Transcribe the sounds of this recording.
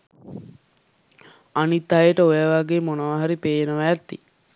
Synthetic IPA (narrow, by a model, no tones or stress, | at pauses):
anit̪ːaɦjəʈəojaʋaɡeːmonəʋaɦaɾipeːjenəʋæt̪ːi